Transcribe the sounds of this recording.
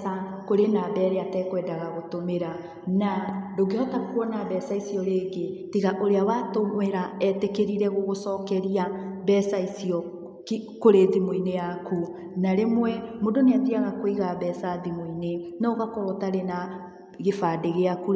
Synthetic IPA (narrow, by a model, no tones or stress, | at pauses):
sakoɾenaβɛːɾeatɛkwɛːndaɣaɣotomeɾa | nadoɡehɔtakuɔnaβɛsaisiɔɾeːɡetiɣaʔoɾeawatomweɾaɛtekeɾiɾɛɣoɣosɔːkɛɾiaβɛsaisiɔ | kikoɾeðimoinejaku | naɾemwɛmodoneatiaɣakoiɣaβɛːsaðimoinenaɔɣakɔɾɔtaɾena | ɣefadeɣeaku